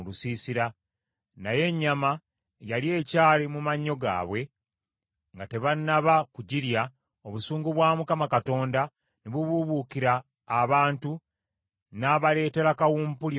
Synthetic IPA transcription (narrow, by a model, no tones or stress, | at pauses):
lusiːsiɾa | naje̞ɲːama | jalje̞ːcaːlemumaɲːo̞ɡa̰ːβwe̞ | ŋɡate̞βanːaβakuɟiɾja | o̞βusuːŋɡuβwaːmukamakato̞ːnda | niβuβuβukiɾaː | βaːntu | naːβale̞ːte̞ɾakawuːmpul